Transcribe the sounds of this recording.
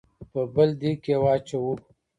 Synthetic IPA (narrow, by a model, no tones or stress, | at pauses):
pəbəld̪ikewɑːt͡ʃawu